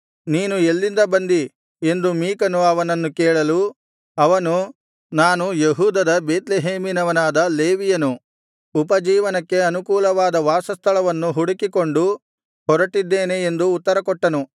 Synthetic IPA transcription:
niːnuelːind̪ɐbɐnd̪i | e̞nd̪umiːkɐnuɐʋɐnɐnːukɛːɭɐlu | ɐʋɐnu | naːnujeɦuːd̪ɐd̪ɐbeːt̪leɦeːminɐʋɐnaːd̪ɐle̞ːʋijɐnu | upɐd͡ʒiːʋɐnɐkːe̞ɐnukuːlɐʋaːd̪ɐʋaːsɐst̪ʰɐɭɐʋɐnːuɦuɽikikoɳɖu | hɔɾɐʈːid̪ːeːne̞ːnd̪uːt̪ːɐɾɐkɔʈːɐnu

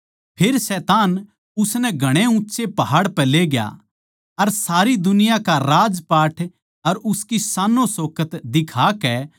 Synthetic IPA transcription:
pʰeɾsɛːt̪aːn | ʊsnɛ̃ɡʱɐɽ̃eʊ̃tːʃepɐɦaːɽpɛleɡja̰ | ɐɾsaːɾid̪ʊnɪjakaɾaːd͡ʒpaːʈʰ | ɐɾʊskisaːnõsoːkət̪d̪ɪkʰaːkɛ

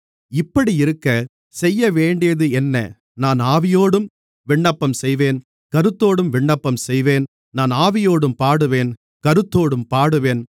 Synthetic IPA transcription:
ɪpːɐɽiɪɾɯkːɐ | sɛjːɐʋeːɳɖɪjɐðɯɛnːɐ̰ | naːnaːʋɪjoːɽɯm | ʋɪɳːɐpːɐmsɛjʋeːn | kɐɾɯt̪ːoːɽɯmʋɪɳːɐpːɐmsɛjʋeːn | naːnaːʋɪjoːɽɯmpaːɽɯʋeːn | kɐɾɯt̪ːoːɽɯmpaːɽɯʋeːn

